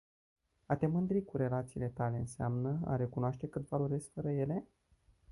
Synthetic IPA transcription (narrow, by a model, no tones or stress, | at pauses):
at̪e̞mɨnd̪ɾikuɾe̞lat̪siːle̞t̪ale̞ɨnseamnəa̰ɾe̞kunoaʃt̪e̞kɨt̪valoɾe̞skfəɾəje̞le̞